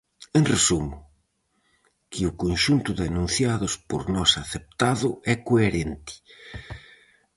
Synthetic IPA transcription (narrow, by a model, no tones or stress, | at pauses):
enresumʊ | kʰɪʊkonʃunt̪ʊðanũn̟θjaðʊspo̰ɾnɔsaθep̚t̪aðʊɛkoeɾent̪ɪ̥